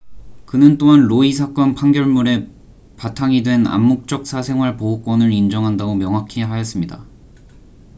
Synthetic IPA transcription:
kɯnɯnt͈oɦanɾoisʰak͈ʌnpʰaŋɡjʌɭmuɾe̞ | patʰaŋidwe̞na̰mːok̚t͡ɕ͈ʌk̚s͈ʰasʰe̞ŋɦwaɭpoɦok͈wʌnɯɾind͡ʑʌŋɦandaɡomjʌŋɦakʰiɦajʌs͈ɯmɲida

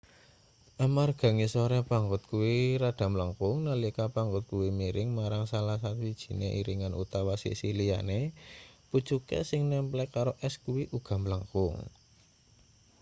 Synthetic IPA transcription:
ʔamarɡ̥a̤ŋisoɾɛpaŋɡʊt̪̚kuwiɾaɖ̥a̤mləŋkʊŋnəlikapaŋɡʊt̪̚kuwimiɾɪŋmaɾaŋsalahsat̪uwid̥ʒ̥i̥̤neʔiɾiŋanʔṵt̪awasḭsilija̰nepu̥t͡ʃukḛsɪŋnɛmplɛkaɾoʔɛskuwiʔuɡ̥a̤mləŋkʊŋ

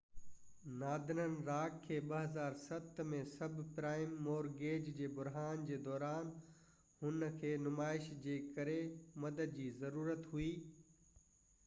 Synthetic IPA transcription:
naːd̪ʱɪnənɪ̆ɾaːkʰːeːɓɐɦɐzaːɾsɐt̪ʰmẽsɐbʱpɾaːɪmːoːɾɡeːd͡ʑd͡ʑeːbʊɾɦaːnd͡ʑeːd̪ɔːɾaːn | hʊnəkʰeːnʊmaːɪʃd͡ʑeːkɐɾemɐd̪əd̪̚d͡ʑiːzɐɾuːɾət̪ɦuiː

